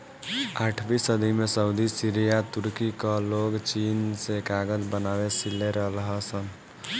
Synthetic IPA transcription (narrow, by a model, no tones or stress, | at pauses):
aʈʰbisəd̪ʱimesəud̪isiɾijat̪uɾkikəloɡt͡ʃinsekaɡəd͡ʒbənaʋesilːeɾəɦlɦəsən